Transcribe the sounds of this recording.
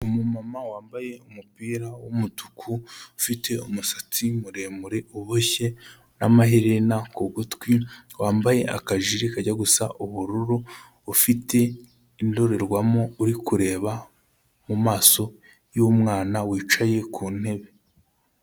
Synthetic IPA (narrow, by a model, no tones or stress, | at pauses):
umumamawaːmbaje̞umupiːɾawomutu̥kʰuːfite̞umusat͡simuɾe̞ːmuɾe̞uβoçe̞ | namaɦiɾenakoɡutkwiwaːmbaje̞ʔa̰kaʒiɾikaɟaɡusa̰ʔuβuɾuɾuː | fite̞ | indo̞ɾe̞ɾɡwamo̞uɾikuɾe̞ːβa | mumaːso̞ | jomŋaːnawiːt͡ʃaje̞kʰuːn̥he̞βe̞